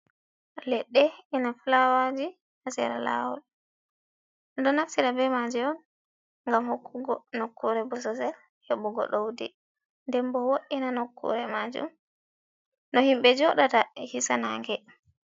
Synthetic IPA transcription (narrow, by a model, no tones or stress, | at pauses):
lɛɗːɛinaflawad͡ʒi | hasɛ̰ɾa̰la̰wɔ̰l | dɔnaftiɾabɛmad͡ʒɛɔn | ŋɡamhokʰːuɡɔnokːuɾɛbɔsɔsɛl | hɛɓuɡɔ̰ɗowdḭ | ndɛmbɔwoʔinanokʰːṵɾɛmad͡ʒṵm | nɔhimɓɛd͡ʒɔɗatahisanaŋɡɛ